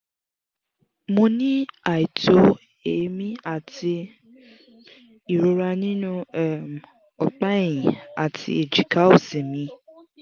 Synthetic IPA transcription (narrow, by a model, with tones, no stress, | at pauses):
mõ˧nĩ˦a˨i˨to˦ | e˨˦mĩ˦a˨ti˧ | i˨ɾo˨ɾa˧nĩ˦nũ˦ɛ˨m | ɔ˨k͡pa˦ĩĩ˨a̰˨tʰḭ˧e˨d͡ʒi˨ka˨˦o˨se˨mĩ˧